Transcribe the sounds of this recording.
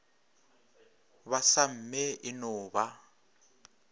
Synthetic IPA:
βasam̩mɛɪnɔːβa

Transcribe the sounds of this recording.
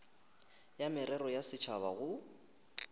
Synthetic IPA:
jamɪɾɛɾɔjasɪt͡ʃʰaβaɣʊ

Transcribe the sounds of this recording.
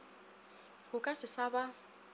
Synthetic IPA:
ɣʊkʼasɪsaba

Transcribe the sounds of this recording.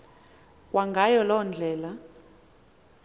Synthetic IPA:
kʼwʔaŋɡʱajɔlɔnd͡ɮʱɛːla

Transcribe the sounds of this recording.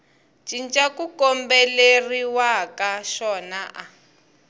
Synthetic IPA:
t͡ʃint͡ʃakukɔmbɛleriwakaʃɔnaʔa

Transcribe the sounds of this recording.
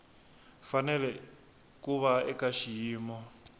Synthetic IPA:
fanɛlɛ | kuβaɛkaʃijiːmɔ

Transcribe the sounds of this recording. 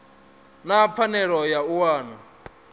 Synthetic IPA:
nap̪fʰanɛɺɔjauwaːna

